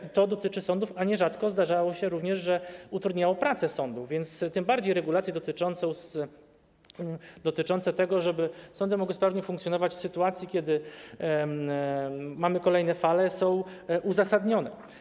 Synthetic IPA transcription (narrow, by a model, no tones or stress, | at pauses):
it̪ɔd̪ɔt̪ɘt͡ʂɘsɔnd̪ufaɲɛʐat̪kɔzd̪aʐawɔɕɛɾuvɲɛʐʐɛut̪ɾud̪ɲawɔ̃pɾat̪sɛsɔnd̪uvvʲjɛnt̪st̪ɘmbaɾd͡ʑejɾɛɡulat̪sʲjɛd̪ɔt̪ɘt͡ʂɔnt̪sɔ̃s | d̪ɔt̪ɘt͡ʂɔnt̪sɛt̪ɛɡɔʐɛbɘsɔnd̪ɛmɔɡwɘspɾavɲɛfuŋkt̪sʲɔnɔvat͡ɕsɘt̪uat̪sʲjikʲɛd̪ɘ | mamɘkɔlɛjnɛfalɛsɔ̃w̃ʔuzasad̪ɲɔnɛ